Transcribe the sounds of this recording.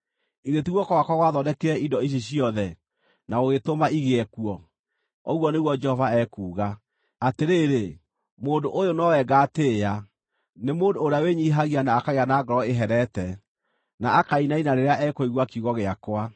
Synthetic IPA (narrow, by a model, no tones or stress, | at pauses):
iɾetiɣwɔkɔwakaɣwaðɔdɛkeɛindɔiɕ̬eɕiɔðɛ | naoɣetomaiɣeɛkuɔ | ɔɣwɔneɣwɔd͡ʒɛhɔvaɛkuːɣa | ateɾeɾe | moːndoʔojonɔwɛɡateːa | nemoːndoːɾeaweɲiɦaɣianaːkaɣeanaːɡɔɾɔeɦɛɾɛtɛ | naakainainaɾeɾeaʔɛkoiɣwakiuɣɔɣeakwa